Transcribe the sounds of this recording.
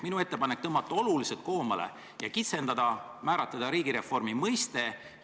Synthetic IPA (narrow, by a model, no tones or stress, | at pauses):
minue̞t̪ːe̞pɑnek̚ːt̪ɤmɑt̪ːˑuo̞luliselt̪̚ko̞ːmɑlḛ | jɑkit̪se̞nd̪̥ɑd̪ɑ | mæːɾɑt̪ːˑɑd̪ɑɾiːɡ̥iɾe̞fo̞rmimɤjst̪e̞